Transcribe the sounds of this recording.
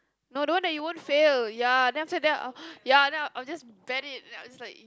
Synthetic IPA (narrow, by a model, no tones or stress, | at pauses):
nodəwãndɛt̚juwõntfeljãndɛ̃aɪmsedɛa̰jadɛ̃naʔaɪd͡ʒasbɛɾɪt̚ajwd͡ʒaslaɪk